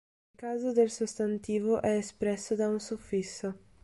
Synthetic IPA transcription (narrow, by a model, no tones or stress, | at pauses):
ilkaːzod̪elsust̪ant̪iːvoʔɛːspɾɛsːod̪aunsufisːo